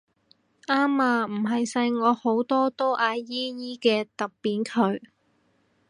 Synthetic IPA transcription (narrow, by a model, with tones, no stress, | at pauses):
ʔaː˥maː˧m̩˨˩ɦɐ˨jsɐ˧jŋɔː˨˧ho˨˥wt̪ɔː˥t̪o˥ʔaː˧jiː˥jiː˥kɛː˧t̪ɐ˨p̚piː˨˩nkʰɵ˨˧ɥ